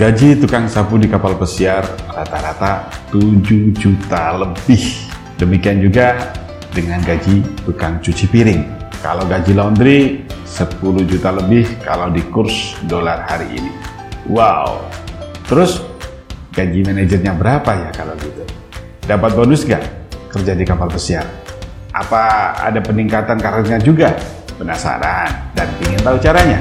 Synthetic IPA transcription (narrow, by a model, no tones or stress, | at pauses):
ɡ̥ad͡ʒit̪ukaŋsapudikapalpəsiarːat̪aɾat̪at̪ud͡ʒud͡ʒut̪aləbɪh | dəmikiand͡ʒuɡa | dəŋanɡad͡ʒit̪ukaŋt͡ʃut͡ʃipiɾɪŋka̰lawɡad͡ʒilaund̪ɾisəpulud͡ʒut̪aləbɪhka̰lawdikʊrsdolarhaɾḭʔḭnḭ | waw | t̪əɾʊs | ɡad͡ʒimened͡ʒərɲabəɾapajakalawɡit̪u | dapat̪̚bonusɡa̰ʔkərd͡ʒadikapalbəsiar | ʔa̰paa̰dapəniŋkat̪ankaɾtɲad͡ʒuɡa | bənasa̰ɾandanpinat̪aut͡ʃaɾaɲa